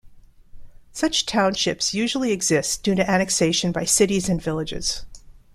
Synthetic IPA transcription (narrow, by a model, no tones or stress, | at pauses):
sʌt͡ʃtʰãʊ̃nʃɪpsjʉʒl̩ˠiɨɡz̥ɪsd̥ʉ̃ɾɨʔænɨkseɪʃɨ̃nbaɪsɪɾizɨ̃nvɪlˠɨd͡ʒɪ̰z̥